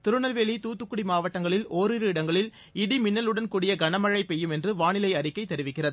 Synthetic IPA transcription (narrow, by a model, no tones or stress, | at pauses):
t̪ɪɾɯnɐlʋeːlit̪uːt̪ːɯkːɯɽimaːʋɐʈːɐŋɡɐɭɪloːɾɪɾɯɪɽɐŋɡɐɭɪl | ɪɽimɪnːɐlɯɽɐnkuːɽɪjɐɡɐnɐmɐɻɐɪpːɛjːɯmɛndrɯʋaːnɪlɐɪɐɾɪkːɐɪt̪ːɛɾɪʋɪkːɪrɐðɯ